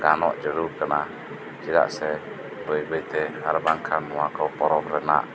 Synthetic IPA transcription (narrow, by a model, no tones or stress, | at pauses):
ɡanɔ̰ʔd͡ʒəɾukənah | d͡ʒiɾa̰ʔsɛ | bəibəit̪ɛaɾəbaŋkʰamuakəwpɔɾɔbəɾəna̰ʔ